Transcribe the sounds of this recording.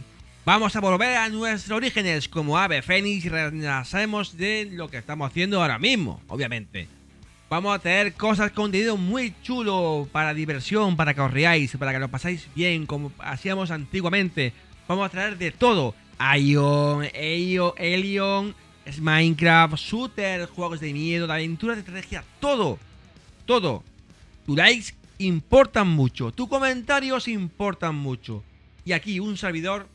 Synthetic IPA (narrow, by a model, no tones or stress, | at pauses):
bamo̞saβo̞lβe̞ɾanwe̞st̪ɾoɾixe̞ne̞sko̞moaβe̞fe̞nisrenasemo̞zðe̞lo̞kest̪amosaθje̞nd̪oaɾa̰mizmo̰o̰βjamẽ̞nt̪e̞̰ | bamosat̪eeɾko̞saskond̪eeomwujt͡ʃulopaɾaðiβ̞e̞ɾsjo̞mpaɾakeosriajspaɾakelo̞pasajzbje̞ŋko̞moa̰siamo̞sant̪iɣwamẽnt̪e̞ | b̥amosat̪ɾaeɾðe̞t̪o̞ð̞o | ajoŋeoeljoŋ | ezmajŋkɾaft̪sut̪eɾxwe̞ɣ̞o̞zðemje̞ð̞oðaβent̪uɾaðest̪ɾat̪exjat̪o̞ðo | t̪o̞ðo̰t̪ulajksimpo̞ɾt̪ammut͡ʃot̪ukomẽ̞nt̪aɾjosimpo̞ɾt̪aŋmut͡ʃo̰ | iakiunse̞ɾβ̞iðo̞ɾ